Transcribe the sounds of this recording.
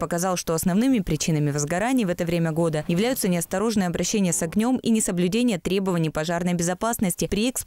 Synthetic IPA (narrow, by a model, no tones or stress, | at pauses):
pəkɐzɑlˠʂt̪o̞ɐsnɐvnɨmʲɪpɾʲɪt͡ɕinəmʲɪvəzɡɐɾanʲɪːvɛt̪əvɾʲemʲəɡo̞d̪əjɪvlʲæjʊt̪sənʲɪɐst̪ɐɾo̞ʐnɨjəɐbɾɐɕːenʲɪjəsɐɡnʲo̞minʲɪsəblʲʉdʲenʲɪjət̪ɾʲebəvənʲɪjpɐʐarnəjbʲɪzɐpasnəsʲtʲɪpɾʲɪɛks